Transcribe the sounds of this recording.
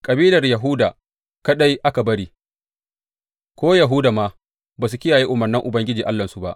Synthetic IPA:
kʼɐ˨biː˦lɐ˨rjɐ˨ɦʊ˦daː˨ | kɐ˦ɗa˦jʔa˦ka˨bɐ˦ɽiː˦ | kʷoː˦jɐ˨ɦʊ˦daː˨ma˦ | baː˨su˨kʲɪ˦jaː˨jiː˦ʔʊ˨mɐ˨rnɪ˦ŋʔʊ˨bɐ˦ŋɡʲɪ˦d͡ʒiː˨ʔa˦lːɐ˨nsu˨ba̰˦ʔ

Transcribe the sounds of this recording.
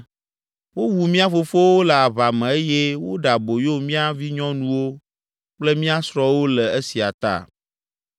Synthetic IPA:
wo˦wu˨mĩ˦a˦fo˦fo˦wo˦le˨a˨βa˨mɛ̃˨e˦jɛ˦wo˦ɖa˨bo˨jo˦mĩ˦a˦vi˦ɲɔ̃˦nũ˦wo˦ | k͡plɛ˦mĩ˦a˦sɾɔ˦wo˦lɛ˨e˦si˨a̰˨t̪a̰˦˨

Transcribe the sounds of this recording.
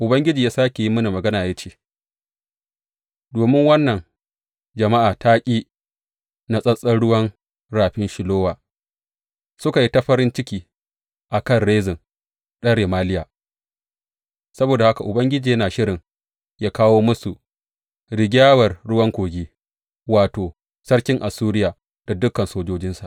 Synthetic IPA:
ʔʊ˨bɐ˦ŋɡʲɪ˦d͡ʒiː˨jaː˦saː˦kʲe˨ji˦mɐ˦ni˨mɐ˨ɡɐ˦naː˨ja˦t͡ʃeː˦˨ | doː˨mɪ˦ŋwɐ˦nːɐ˨ŋ | d͡ʒɐ˨ma˦ʔaː˨taː˦kʲʼiː˦ | na˦sʼɐ˦sʼɐ˦nɽʊ˦wɐ˦n | ɽaː˨ɸɪ˦nʃɪ˨loː˦waː˨ | sʊ˦ka˨ji˦ta˦ɸɐ˦ɾɪ˦nt͡ʃɪ˦kʲiː˦ | ʔa˨kɐ˦˨nɽeː˦zɪ˨ŋ | ɗɐ˦ɽe˨maː˦lɪ˦jaː˨ | sɐ˦boː˨da˨ha˦ka˨ʔʊ˨bɐ˦ŋɡʲɪ˦d͡ʒiː˨jɐ˦naː˨ʃɪ˦ɾɪ˨ŋ | jaː˦kaː˦woː˦mʊ˦su˨ʔ | ɽɪ˨ɡʲaː˦wɐ˨rɽʊ˦wɐ˦ŋkʷoː˨ɡʲiː˦ | waː˨toː˨ | sɐ˦ɽkʲɪ˦ŋʔa˨suː˦ɾɪ˦jaː˨ | d̥a˨dʊ˦kːɐ˨nsoː˦d͡ʒoː˦d͡ʒɪ˦nsa˨ʔ

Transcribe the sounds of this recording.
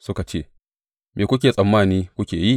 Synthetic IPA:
sʊ˦ka˨t͡ʃḛː˦˨ | meː˨kʷʊ˦kʲeː˨sʼɐ˨mːaː˦˨niː˦kʷʊ˦kʲeː˨ji˦

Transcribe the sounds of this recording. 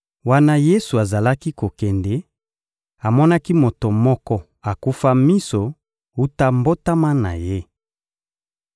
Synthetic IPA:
wa˦na˦je˦su˨a˨za˨la˦ki˦ko˨kɛ˨ndɛ˨ | a˨mɔ˦na˦ki˦mo˨to˨mɔ˦kɔ˦ | a˨ku˦fa˦mi˦so˨ | u˦ta˦mbo˦ta˦ma˦na̰˨je˦

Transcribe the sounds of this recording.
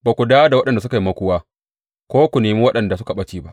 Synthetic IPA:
baː˨kʷu˨daː˦da˨wɐ˦ɗɐ˨nda˨s̬ʊ˦ka˨ji˦mɐ˦kʷʊ˦waː˦ | kʷoː˦kʷu˨neː˨miː˦wɐ˦ɗɐ˨nda˨sʊ˦ka˨ɓɐ˦t͡ʃiː˦ba˦ʔ

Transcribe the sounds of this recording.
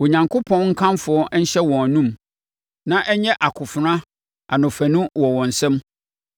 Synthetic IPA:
wo˨ɲã˨ŋkʰʊ˦pʰɔ̃˦nŋ̩˦kʰã˦mfʊ˨˦ɔ˦ɲ̩˦ɕɛ˦wɔ̃˨nũ˦m | nã˦ʔɛ˦ɲɛ̃˦ʔa˨kʰʊ˨fʊ˨ɾã˦ | a̰˨nʊ̃˨fæ˨nũ˦wɔ˨wɔ̃˨n̩˨sɛ̃˦m

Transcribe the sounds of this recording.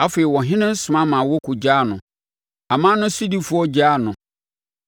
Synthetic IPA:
a˦fe˨i˨wɔ˨ɦɪ̃˦nɪ̃˦n̩˦sʊ˨mã˦mã˨wɔ˦kʰʊ˨d͡ʑa˦˨nʊ̃˨ | a˨mãː˦nʊ̃˦si˦di˦fʊ˨˦ɔ˦d͡ʑa˦˨nʊ̃˨

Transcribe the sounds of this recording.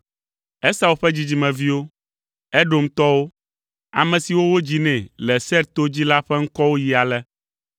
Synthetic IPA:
ɛ˦sa˦˨wo˨ɸɛ˦d͡ʑi˦d͡ʑi˦mɛ̃˨vi˦wo˦ | ɛ˦ɖo˨m˦t̪ɔ˦wo˦ | a̰˨mɛ̃˨si˨wo˦wo˦d͡ʑi˦nɛ̃˨lɛ˨sɛ˦ɾt̪o˦d͡ʑi˦la˦ɸɛ˦ŋ̩˦kɔ˦wo˦ji˨a˨lɛ˦

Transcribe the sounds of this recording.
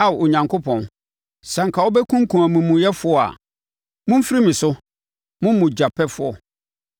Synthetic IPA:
a˨wo˨ɲã˨ŋkʰo˦pʰɔ̃˨n | sã˨ŋ̩˨kʰa˨ɔ˦bɛ˦kʰũ˦ŋ̩˦kʰũ˨a˨mũ˨mũ˨jɛ˦fʊ˦ɔ˨a̰˨ | mʊ̃˦m̩˦fɾi˦mĩ˨sʊ˦ | mʊ̃˦m˦mũ˨d͡ʑa˨pʰɛ˦fʊ˦ɔ̰˨

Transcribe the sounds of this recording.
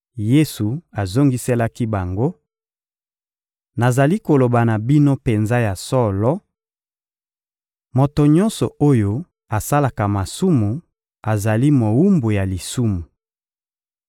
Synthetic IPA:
je˦su˨a˨zo˦ŋɡi˦sɛ˦la˦ki˦ba˨ŋɡo˦ | na˨za˨li˦ko˨lo˨ba˨na˨bi˦no˦pe˨nza˦ja˨sɔ˦lɔ˦ | mo˨to˨ɲɔ˦nsɔ̰˨o˦jo˦ | a˨sa˦la˨ka˨ma˨su˦mu˨ | a˨za˨li˦mo˨wu˦mbo˨ja˨li˨su˦mu˨

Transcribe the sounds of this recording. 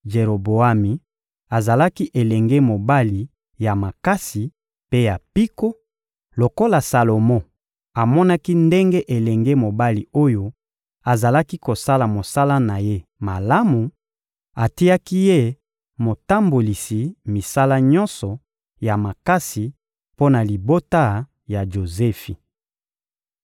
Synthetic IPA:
ʒe˨ʁo˨bo˨a˦mi˨ | a˨za˨la˦ki˦ʔe˨lɛ˨ŋɡe˦mo˨ba˦li˨ | ja˨ma˨ka˦si˨ | pe˦ja˨pi˦ko˦ | lo˨ko˦la˨sa˨lo˨mɔ̃˦ | a˨mɔ˦na˦ki˦nde˦ŋɡe˦ʔe˨lɛ˨ŋɡe˦mo˨ba˦li˨o˦jo˦ | a˨za˨la˦ki˦ko˨sa˦la˨mo˨sa˦la˦na˨je˦ma˨la˦mu˨ | a˨ti˦a˦ki˦je˦˨ | mo˨ta˦mbo˨li˨si˨mi˨sa˦la˦ɲɔ̃˦nsɔ˨ | ja˨ma˨ka˦si˨ | po˦na˨li˨bo˦ta˦˨ | ja˨ʒo˨zɛ˦fi˨

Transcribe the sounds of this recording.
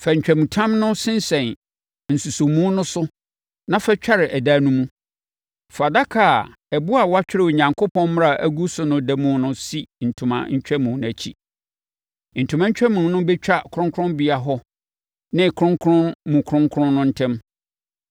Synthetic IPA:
fɛ˨ɲ̩˨t͡ɕᶣæ˨mũ˨tʰã˦mnʊ̃˦sɪ̃˦n˦sɛ̃˨n | n̩˨su˨so˨mũ˦nʊ̃˦sʊ˦ | nã˦fɛ˦t͡ɕᶣa˦ɾɪ˨ʔæ˨daː˦nũ˦mũ˦ | fa˨da˦kʰa˨ | ɛ˨bu˦a˨wa˦t͡ɕᶣɪ˦ɾɪ˦˨wɲã˨ŋkʰo˦pʰɔ̃˦mm˦ɾa˨ʔæ˦ɡu˦sʊ˦nʊ̃˦dɛ˦mũ˦nʊ̃˦si˦n̩˨tʰʊ̃˨mã̰˨ɲ̩˦t͡ɕᶣɛ˦mũ˨˦ñ˦æ˨t͡ɕʰḭ˦ | n̩˨tʰũ˨mã˦ɲ̩˦t͡ɕᶣɛ˦mũ˨nʊ̃˦bɛ˦t͡ɕᶣa˦kʰʊ̃˦ŋkʰɾʊ̃˦bi˨˦a˨ɦɔ˦ | nɪ̃˦kʰʊ˦ɾʊ̃˦ŋkʰɾʊ̃˦nmũ˨kʰɾʊ̃˦ŋkʰʊ˦ɾʊ̃˦nːʊ̃˦n̩˦tʰɛ̃˦m

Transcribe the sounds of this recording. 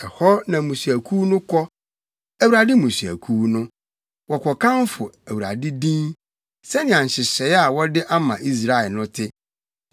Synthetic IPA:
ɛ˨hɔ˦nã˨mũ˨su˨æ˨kʰu˦nʊ̃˦kʰɔ˦ | æ˦wu˨ɾa˨dɪ˦mũ˨su˨æ̰˨kʰu˦nʊ̃˦ | wɔ˨kʰɔ˨kʰã˦nfʊ˨æ˨wu˨ɾa̰˨dɪ˦dĩ˦n | sɛ˦nɪ̃˨ã˨ɲ˨ɕɪ˨ɕɛ˨˦ja˨wɔ˦dɪ˦ʔa˦mã̰˨ʔi˦s̬ɾa˦˨ɛ˨lnʊ̃˦tʰɪ˦

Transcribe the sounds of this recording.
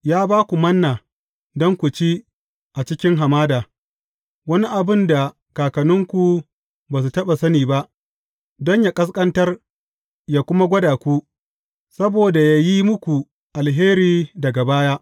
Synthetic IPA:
jaː˦baː˦kʷu˨mɐ˦nːaː˨ | dɔ˦ŋkʷu˨t͡ʃi˦ | ʔa˨t͡ʃɪ˦kʲɪ˦ŋɦa˨maː˦daː˨ | wɐ˦ni˦ʔa˨bɪ˦nda˨ | kaː˨kɐ˨nʊ˦ŋkʷu˨ | baː˨s̬u˨tɐ˦ɓa˨sɐ˦niː˨ba˦ʔ | dɔ˦ɲjaː˨kʼɐ˦s̬kʼɐ˦ntɐ˦r | jaː˨kʷʊ˦ma˦ɡʷɐ˦daː˨kʷu˦ | sɐ˦boː˨da˨ja˦ji˦mʊ˦kʷu˨ | ʔa˨lɦeː˦ɾiː˨dɐ˨ɡa˨baː˦jaː˦ʔ

